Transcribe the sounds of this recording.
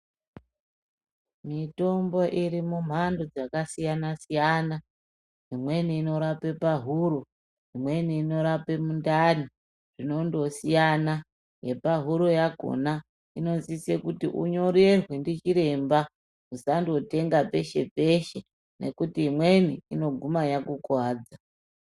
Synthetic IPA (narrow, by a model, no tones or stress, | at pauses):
mito̞mbo̞ʔiɾimum̤andod͡zakasijanasijana | ɦimwe̞niːno̞ɾape̞paɦuɾo̞ | ɦimwe̞niːno̞ɾape̞mundani | ʐ̥ino̞ndo̞sijana | je̞paɦuɾo̞jaɡʱo̰na | ino̞nzisekutiʔuɲo̞ɾerwendit͡ʃiɾe̞mba | usandiwote̞ŋɡape̞ʃe̞̰pe̞ʃe | ne̞̰kutiimweniino̞ɡʱumajakukwaːd͡za